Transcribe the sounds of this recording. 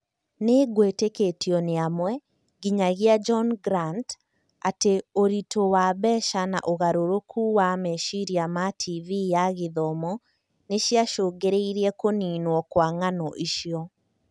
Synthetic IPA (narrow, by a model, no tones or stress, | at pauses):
neɣweteketjɔneamwɛ | ɡiɲaɣiad͡ʒɔnɡɾant | ateoɾitowaβɛʃana̰ʔoɣaɾoɾokʰuwameʃiɾiamatʰivijaɣeðɔmɔ | neʃjaʃoːɡeɾeiɾiɛkoninwɔkwaŋanɔʔiʃiɔ